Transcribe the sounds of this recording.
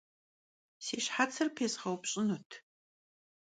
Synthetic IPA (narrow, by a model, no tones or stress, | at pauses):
seːʃħat͡sʰɐrpʰeːsχɐwpɕʼɪnutʰ